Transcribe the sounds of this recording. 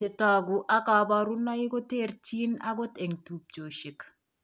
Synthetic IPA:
e˨taɡuʔa˦ka˨baɾu˦na˦ɪ˦ɡɔ˦te˦rt͡ʃi˦na˦ɡɔ˦te˨ŋtup̚d͡ʒo˨ʃɪ˨k

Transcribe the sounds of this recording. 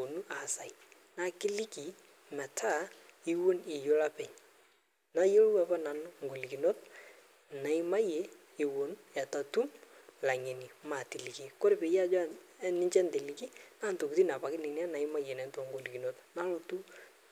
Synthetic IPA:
o˨nu˦ʔa˨sa˨i˦˨ | na˦kɪ˦lɪ˦ki˨ | mɛ˨tʰa˦i˦wo˦nɪ˨jo˦la˦pɛ˨ɲ | na˦jo˦lwɛ˦pa˦na˨nʊ˦ŋ˨ɡo˨li˨ki˨no˦t̚ | na˨i˦ma˦je˦ | ɪ˨wo˨nja˨ta˨tu˦mla˨ŋe˨ni˨ma˨ti˨li˨ki˨ko˦ɾe˨pe˨ja˦d͡ʒɔ˦nɪ˦ɲt͡ʃɛ˦nte˨li˨˦ki˦na˦n˨to˨ku˨ti˦na˨pa˨kɪ˦nɪ˨ni˦a˦na˨ɪ˦ma˦jɛ˨nɛ˨˦n˦twɔ˦ŋɡo˨li˨ki˨no˦tna˦lo˨tu˦

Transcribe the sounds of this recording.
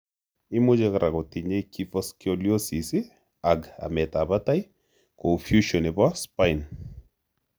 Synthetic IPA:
ɪ˦mʊ˦d͡ʒe˦kɾʔa˨kɔ˨ti˨ɲe˦ki˦fɔskioljo˦si˨sɪ˦ | a˨ɡa̰˨mɛ˨ta˨ba˦ta˦j | ko˨fju˦ʃɔ˨ne˨bɔ˦spa˦jn

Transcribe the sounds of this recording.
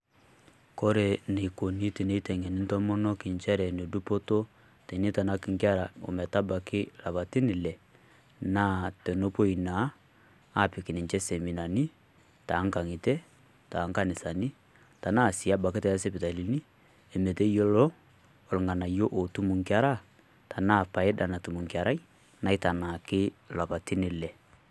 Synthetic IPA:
kɔ˦ɾe˨ne˨i˨ko˨ni˦te˨ne˦tɛ˨ŋɛ˨ni˦n˦tɔ˦mɔ˦nɔ˦ki˨nt͡ʃɛ˦ɾɛ˨ne˨du˦po˦to˦ | tɛ˨ni˦ta˨na˦ki˨ŋkja˦ɾa˨o̰˨mɛ˨ta˦ba˨kɪ˦la˨βa˨ti˦nɪ˨lɛ˨ | na˦tɛ˨no˦po˦i˨naː˨˦˨ | pi˨ki˨ni˨nt͡ʃɛ˦sɛ˨mi˨na˨ni˦ | ta˨˦ŋ˦ka˨ŋi˨tɛ˦ | ta˨˦ŋ˦ka˦nɪ˨sa˨ni˦ | ta˨na˦˨si˨a˦ba˨kɪ˦ta˨jɛ˦sɛ˦pɪ˨ta˨li˨ni˦ | ɛ˨mɛ˨tɛ˦jo˦lɔ˦ | ɔ˨lŋa˨na˨jo˦ʔo˨tu˦mu˨ŋki˦a˦ɾa˦ | ta˨na˦˨pa˨ɪ˦ɗa˨na˨tu˨mu˨ŋki˨a˨ɾa˦i˦ | na˨˦i˦ta˨na˨kɪ˦la˨pa˨tɪ˦nɪ˨lɛ˨

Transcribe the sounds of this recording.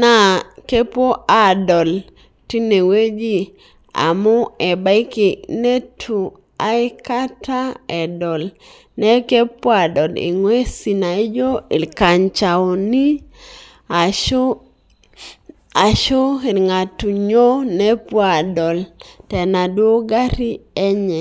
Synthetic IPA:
na˦ke˦pwo˦ʔa˨dɔ˨l | ti˦ne˨we˦d͡ʒi˦ | a̰˨mʊ˦ɛ˨ba˦ɪ˦ki˨ne˦tʰu˨ | a˨ɪ˦ka˦ta˦ɛ˨dɔ˨l | nɛ˦ke˦pwo˦a˨dɔ˨lḭ˨ŋwe˦si˨na˨i˦d͡ʒo˦i˨lka˨ɲt͡ʃa˨ɔ˨ni˦ | a˨ʃo˦e˨lŋa˨tu˨ɲo˦nɛ˦pwa˨dɔ˨ltɛ˨na˨dwo˦ɡa˦ɾi˦ɛ˦ɲɛ˨

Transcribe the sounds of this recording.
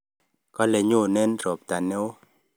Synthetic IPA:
kɔ˦lɛ˨ɲo˦˨nɛ˦nɾɔ˨p̚ta˨nɛ˦o˦

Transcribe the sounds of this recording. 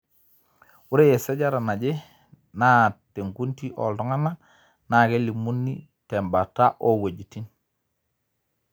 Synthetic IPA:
wu˦ɾe˦je˨se˦ɟa˦ɾa˨na˨ɟe˦ | na˦te˨ŋku˦nti˦ʔɔ̰˨ldɔ˦ŋa˦na˦ | na˨ke˦li˨mu˦nːḭ | te˨mba˨ta˦ʔo˦we˨ɟi˨ti˦n

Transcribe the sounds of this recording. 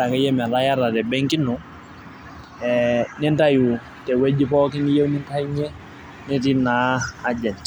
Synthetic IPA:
a˨kɛ˦je˦m˨a˨la˦ja˦ɾa˨tɛ˨bɛŋki˦nɔ | ɛnɛ˦nta˦ju˨ | tɛ˨we˦d͡ʒi˦pɔ˦ki˦nije˦wni˦nta˦ɲɛ˦ | nɛ˦ti˦na˨a˨d͡ʒa˨t͡ʃ

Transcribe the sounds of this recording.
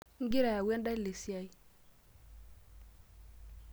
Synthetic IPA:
ŋ˦ɡi˦ɾa˨ja˨we˦nda˦i˦le˨si˦a˦˨i˦

